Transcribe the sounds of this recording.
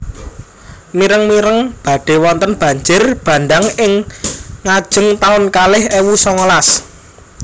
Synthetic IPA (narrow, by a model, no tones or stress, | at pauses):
miɾəŋmiɾəŋb̥ä̤ɖ̥e̤wɔnt̪ənb̥ä̤ɲd͡ʒɪrb̥ä̤nd̪aŋɪŋː | ad̥ʒ̥ə̤ŋt̪aʊnkalɪhewusɔŋəlas